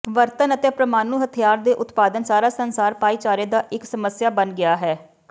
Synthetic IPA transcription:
ʋəɾt̪ənət̪eːpɾəmaːnuːɦət̪ʰijaːɾd̪eːʔʊt̪paːd̪ənsaːɾaːsənsaːɾpaːiːt͡ʃaːɾeːd̪aːʔɪksəməsjaːbənɡɪaːɦɛː

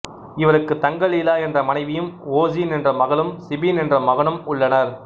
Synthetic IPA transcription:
ɪʋɐɾɯkːɯt̪ːɐŋɡɐɭiːlaːɛndrɐmɐnɐɪʋɪjɯmoːd͡ʒinɪndrɐmɐɣɐɭɯmsɪbinɛndrɐmɐɣɐɳɯmʊɭːɐnɐɾ

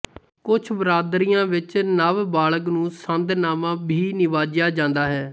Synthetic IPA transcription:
kʊt͡ʃʰbɾaːd̪ɾijãːʋɪt͡ʃnəʋbaːɭək̬nũːsənd̪naːmãːbʱiːnɪʋaːd͡ʒjaːd͡ʒãːnd̪aːɦɛː

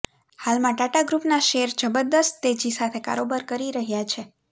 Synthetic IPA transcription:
halmãʈaʈaɡɾupnaʃeɾd͡ʒəbəɾd̪əst̪t̪ed͡ʒisat̪ʰeka̰ɾobaɾkəɾiɾəɦjat͡ʃʰe

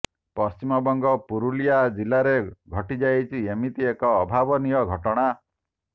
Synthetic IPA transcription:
pɔst͡ʃimɔbɔŋɡɔpuɾulijad͡ʒilaɾeɡʱɔʈid͡ʒajt͡ʃʰiemit̪iekɔːbʱabɔnijɔɡʱɔʈɔɽ̃a

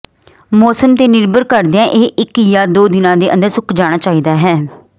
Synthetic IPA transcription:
mɔːsəmt̪eːnɪɾbəɾkəɾd̪eãːʔeːʔɪkjaːd̪oːd̪ɪnãːd̪eːʔə̰̃nd̪əɾsʊkʰd͡ʒaːɽ̃aːt͡ʃaːiːd̪aːɦɛː

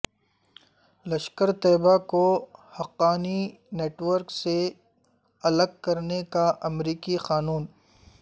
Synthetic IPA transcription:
lɐʃkəɾt̪ɛːbakohɐqːaːni | neːʈwəɾkse | ɐləɡ̚kɐɾnekaʔɐmɾiːkixaːnuːn

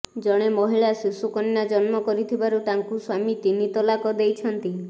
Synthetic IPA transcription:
d͡ʒɔɽ̃emɔɦiɭasisukɔnːad͡ʒɔnmɔkɔɾit̪ʰibaɾut̪aŋkuswamit̪init̪ɔlakɔd̪ejt͡ʃʰɔnt̪i

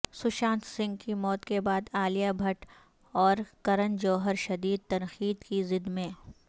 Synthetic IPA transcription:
sʊʃãːnt̪sɪ̃ŋɡkimɔːt̪kebaːd̪aːlijabʱɐʈ | ɔːɾkɐɾənd͡ʒoːɦəɾʃɐd̪iːd̪̚t̪ɐnxiːd̪kizɪd̪mẽː

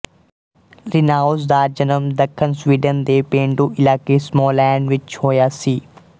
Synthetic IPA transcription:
ɾɪnaːʊzd̪aːɾd͡ʒənəmd̪ɐkʰːənsʋiːɖənd̪eːpẽːɳɖuːʔɪlaːkesmɔːlɛːɳɖʋɪt͡ʃhoːjaːsiː

